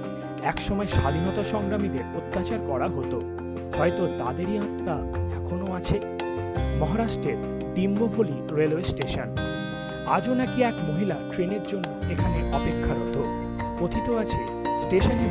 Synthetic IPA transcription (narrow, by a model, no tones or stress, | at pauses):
ɛkʃɔmɔeʃalinɔt̪aʃɔŋɡɾamid̪eɾot̪ːat͡ɕaɾkɔɾaɦot̪o | ɦɔjt̪ot̪ad̪eɾiat̪ːa | ɛkʰonoat͡ɕʰe | mɔɦaɾaʃʈɾeɾ | ɖimbobʱoli | ɾelwesʈeʃon | a̰d͡ʑonakiɛkmoɦilaʈɾeneɾd͡ʑonːoekʰaneʔɔpekʰːaɾot̪o | ot̪ʰit̪oat͡ɕʰe | sʈeʃone